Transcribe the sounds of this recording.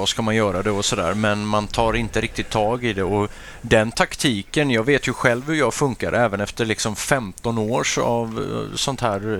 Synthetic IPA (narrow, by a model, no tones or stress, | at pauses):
ɔskamanjœːɾad̪ɛɔsɔd̪æ̰ːɾmɛnmant̪ʰɑːɾɪnt̪əɾɪk̚t̪ɪt̪ʰːɑːɡɪd̪ɛɔ | d̪ɛnt̪ʰakt̪ʰiːkənjɑːɡveːt̪jɵɧɛlvhɵjɑːɡfɵŋkaɾʔɛːvənɛft̪əɾɭɪksɔmfɛmt̪ɔnoːʂa̰vsɔnt̪hæːɾ